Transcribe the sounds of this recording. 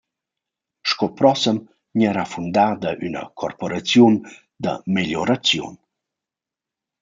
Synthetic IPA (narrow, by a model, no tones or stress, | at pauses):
ʃkɔpɾɔsəm | ɲɛɾafund̪ad̪əʔynə̰kʰɔrpɔɾat͡sjun | d̪ə̰meʎɔɾat͡sjṵn